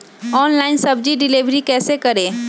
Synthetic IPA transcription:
ɔːnlaːɪnsɐbd͡ʒiɖɪliʋɾikɛːsekɐɾẽː

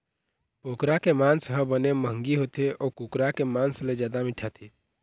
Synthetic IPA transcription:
pokɾakemansɦə̃bəneməɦŋɡiɦot̪eʔɔːkukɾakemansled͡ʒjaːd̪amiʈʰat̪ʰi

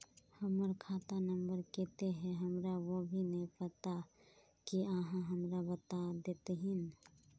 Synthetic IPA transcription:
həməɾkʰaːt̪anə̃mbəɾkeːt̪eɦɛ̃ɦəmɾaʋobʱinɐĩpət̪a | kiaːɦãɦəmɾabət̪ad̪eːt̪eɦɪ̃n

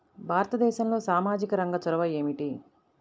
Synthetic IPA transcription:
bʱaːɾɐt̪ɐd̪ɛːʃɐmlo̞ːsaːmaːd͡ʒikɐɾɐŋɡɐt͡ʃɔɾɐʋɐje̞ːmiʈi

